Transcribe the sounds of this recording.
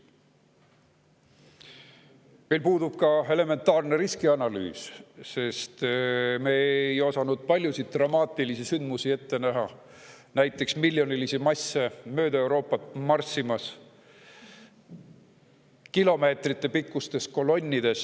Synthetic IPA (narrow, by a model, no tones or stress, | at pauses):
me̞lpuːd̪ub̥̚kɑe̞le̞me̞nt̪ːˑɑːrne̞ɾiskiɑnɑly̰ːsse̞st̪meejo̞sɑnud̪̥̚pɑlʲjusit̪̚ːrɑmɑːt̪ːˑilisisynd̪̥musie̞t̪ːe̞næɦɑ | næjt̪ːˑe̞ksmilʲjo̞nilisimɑsːemø̞ːd̪ɑe̞wɾo̞ːpːˑɑt̪mɑrsːimɑs | kilo̞me̞ːt̪rit̪ːˑe̞pikːˑust̪e̞sko̞lo̞nʲːid̪̥e̞s